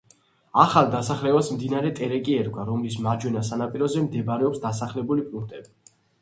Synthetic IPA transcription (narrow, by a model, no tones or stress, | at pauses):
aχalˠd̪asaχlɛbasmd̪inaɾɛt̪ʼɛɾɛkʼiɛɾɡwaɾɔmlismad͡ʒwɛnasanapʼiɾɔzɛmd̪ɛbɾɛɔpsd̪asaχlɛbulipʼuŋk̚ʰt̪ʼɛbi